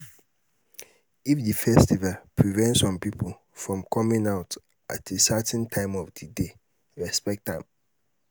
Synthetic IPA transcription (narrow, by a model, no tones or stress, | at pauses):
ifdifɛstivalpʰɹivɛ̃ntsɔ̃mpipʰol | fɹɔ̃mkʰɔmĩŋaʊt | ʔa̰tesɛtʰə̃ntʰãɪ̃mɔvdide | ɹɛspɛk̚tãm